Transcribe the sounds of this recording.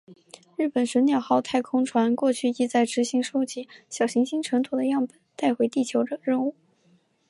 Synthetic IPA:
ɻ̩˥˩pə˨˩nʂə˧˥njɑ˥˩ʊxɑ˥˧ʊt̪ʰa˥˧ɪkʰʊ˥ŋʈ͡ʂʰwa˧˥nkwɔ˥˧t͡ɕʰy˥˩i˥t͡sa˥˩ɪʈ͡ʂɻ̩˧˥ɕi˧˥ŋʂu˥ʊt͡ɕi˧˥ɕjɑ˨˩ʊɕi˧˥ŋɕi˥ŋʈ͡ʂʰɤ˧˥ŋt̪ʰu˨˩d̪ə˦jɑ˥˩ŋpə˨˩nt̪a˥˩ɪxwe˧˥ɪt̪i˥˩t͡ɕʰjo˧˥ʊʈ͡ʂɤ˨˩ŋɻə˥˧nu˥˩

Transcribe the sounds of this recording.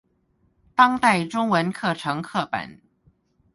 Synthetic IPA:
t̪ɑ˥ŋt̪a˥˩ɪʈ͡ʂʊ˥ŋwə˧˥nkʰɤ˥˩ʈ͡ʂʰɤ˧˥ŋkʰɤ˥˩pa̰˨˩˦n

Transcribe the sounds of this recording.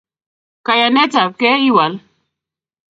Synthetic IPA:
ka˨ja˨nɛ˦ta˨kɛ˦i˦wa˨˦l

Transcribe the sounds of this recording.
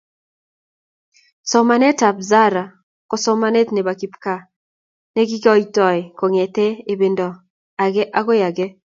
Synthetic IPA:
sɔ˨ma˨nɛ˦ta˨bza˦ɾa˨ | kɔ˨sɔ˦ma˦ne˦t̪ne˨βa˨ki˨pka˦˨ | ne˦ɡi˦kɔ˦i˦tɔ˨e˨ko˨ŋɛ˨tɛ˦e˨be˨ndɔ˨ | a˨ɣɛ˦ʔa˦ɣo˦ja˨ɡɛ˦

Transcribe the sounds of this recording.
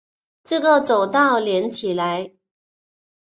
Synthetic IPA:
ʈ͡ʂɤ˥˨ɡə˨t͡so˨˩ʊt̪ɑ˥˩ʊljɛ˧˥nt͡ɕʰi˨˩la˧˦ɪ

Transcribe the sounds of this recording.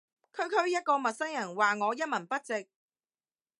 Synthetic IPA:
kʰɵ˨˧ɥkʰɵ˥ɥjɐ˥t̚kɔː˧mɐ˨t̚sɐ˥jjɐ˨˩nwaː˨ŋɔː˨˧jɐ˥t̚mɐ˨˩npɐ˥t̚t͡sɪ˨k̚

